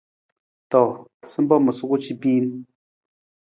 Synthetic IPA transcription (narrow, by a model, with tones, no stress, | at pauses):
to˨sɨ˦mbɔ˦mə˨su˦ku˦t͡ʃi˦pi˦n